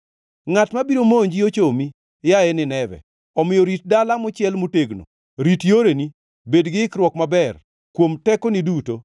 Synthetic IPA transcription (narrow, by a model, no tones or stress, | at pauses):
ŋatmabiɾomoɲd͡ʒiot͡ʃomi | jaɛnɪnɛvɛ̰ | ɔmɪjɔɾit̚dalamʊt͡ʃjɛlmoteɡno̰ | ɾitjoɾeni | bedɡɪkɾwɔkmabɛr | kwomtɛkonɪduto